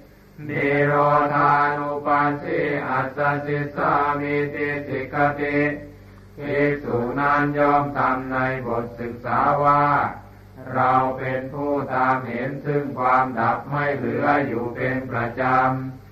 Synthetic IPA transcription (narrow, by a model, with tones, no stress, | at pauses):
deː˨˧˩ɾɔː˧t̪ʰaː˧ʔa˧nu˧paː˧sʰiː˥˩ʔa˨˩t̪̚sa˧si˨˦t̪̚sa˧ʔa˧meː˧t̪eː˧si˨˩kːa˧t̪i˧˩t̚ | tiː˧˩suː˨˩naː˥˩njɔː˥˩mt̪ʰa˧mna˧jbo˨˩t̪̚sɯ˨˩k̚saː˩˦waː˥˩ | ɾa˧wpe˧npʰuː˥˩t̪aː˧mɦe˨˩˦nt̪ʰɯ˧˩ŋkʰwaː˧mda˨˩p̚ma˥˩jlɯː˩˦ʔa˧˩jːuː˨˩pe˧npɾa˧t͡ɕa˧m